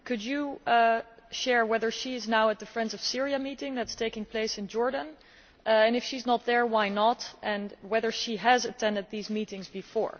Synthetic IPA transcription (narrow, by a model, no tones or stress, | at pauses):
kʰɨd͡ʒɨ | ʃɛɹwɛðə˞ʃiɪznaʊət̪̚ðɨfɹɛ̃ndzʌv̥sɪɹiɨmiɾɪ̃ŋðætstʰeɪkɪ̃ŋpʰl̥eɪsɨ̃nd͡ʒɔɹdə̃n | ʔɨ̃nɨfʃiznət̪̚ðə˞waɪnətʔɨ̃nwɛðə˞ʃiɨzɨtʰɛ̃ndɨd̪̚ðizmiɾɪ̃ŋzbɨfɔ̰ɹ